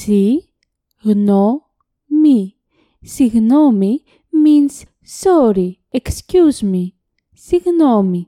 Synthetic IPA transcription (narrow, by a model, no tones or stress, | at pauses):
si | ɣno | mi | siɣnomi | mins | soɾi | ekscuzmi | siɣnomi